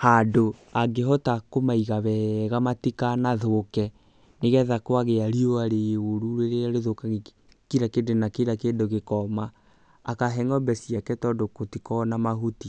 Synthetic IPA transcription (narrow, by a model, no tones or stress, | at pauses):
hadoaɡeɦɔtakomaiɣaβɛɣamatikanaðokɛ | neɣɛðakwaɣeaɾioaɾeoɾuɾeɾeaɾeðokaɣ | kiɾakedenakeɾakendoɣekɔmaː | kaɦɛŋɔbɛsiakɛtɔdokotikɔnamaɦuti